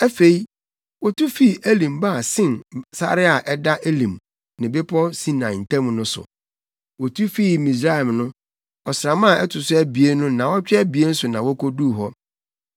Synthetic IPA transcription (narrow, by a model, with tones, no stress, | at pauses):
æ˦fe˨i˦ | wɔ˦tʰu˦fi˦˨ʔæ˦lĩ˨mba˦˨sɪ̃˦nsa̰˦ɾɪ˦a˨ʔɛ˦da˦ʔe˦lĩ˨m | nɪ̃˨bɪ˦pʰɔ˦sĩ˦nã˨n̩˨tʰɛ̃˦m˦nʊ̃˦sʊ̰˨ | wɔ˨tʰu˦fi˦mĩ˨s̬ɾa˦ɛ˨mnʊ̃˦ | ɔ˨sɾã˨mã˦˨ɛ˦tʰʊ˨sʊ˦æ˦bi˨e˦nʊ̃˦nã˨wɔ˦t͡ɕᶣɛ˦bi˨e˦n̩˦sʊ˨nã˨wɔ˦kʰo˦du˦˨ɦɔ˦